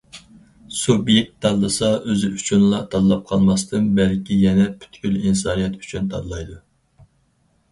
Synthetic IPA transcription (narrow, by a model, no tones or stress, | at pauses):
subjɛk̚t̪ʰːɑd̪lˠɨsɑøzɪyt͡ʃʰunlˠɑt̪ʰɑd̪lˠɑp̚qʰɑlˠmɑst̪ɨnbælkʲijɛnɛpʰy̥t̪kʲylinsɑːnijɛt̪y̥t͡ʃʰynt̪ʰɑ̰d̪lˠɑjd̪u